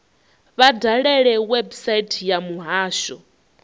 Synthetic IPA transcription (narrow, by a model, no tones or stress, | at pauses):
βadaɺɛɺɛwɛbusaitʰjamuɦaːʃɔ